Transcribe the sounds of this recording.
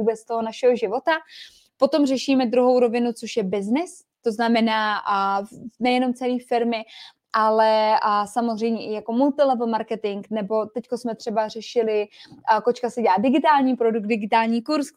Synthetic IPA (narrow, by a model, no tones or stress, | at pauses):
uːbɛt͡st̪oɦo̞naʃɛɦoʒɪvo̞t̪a | pot̪o̞mrɛʃiːmɛd̪ɾuɦo̞wɾo̞vɪnut͡soʃjɛbɪznɪs | t̪o̞znamɛnaː | nɛjɛno̞mt͡sɛniːfɪɾmɪ | ʔalɛsamozr̝ɛjmɲɛʔɪjako̞mult̪ɪlɛvl̩maɾkɛt̪ɪŋknɛbo̞t̪ɛckosmɛt̪r̝̥ɛbar̝ɛʃɪlɪkot͡ʃkasɛɟɛlaːdɪɡɪt̪aːlɲiːpɾo̞duk̚dɪɡɪt̪aːlɲiːkuɾs